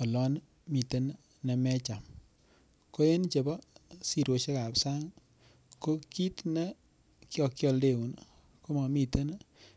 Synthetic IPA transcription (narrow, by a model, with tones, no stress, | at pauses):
ɔ˨lɔ˦n | mi˨te˦n | nɛ˨mɛ˦t͡ʃa˨m | ko˦je˦nt͡ʃe˨bɔ˦si˨ɾo˨ʃe˦ka˨psa˦ŋ | ko˦ki˦tnɛ˦ | kjɔ˨kjɔ˧lde˦˨wu˨n | ko˦mɔ˨mi˦te˦n